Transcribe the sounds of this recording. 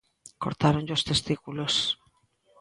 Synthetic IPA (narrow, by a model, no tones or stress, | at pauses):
koɾt̪aɾoɲʎost̪est̪ikulos